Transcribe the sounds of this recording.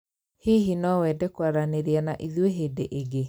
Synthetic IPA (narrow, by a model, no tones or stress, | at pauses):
hiɦinɔwɛːdɛkwaɾaneɾeanaʔiðweɦedeʔeɡe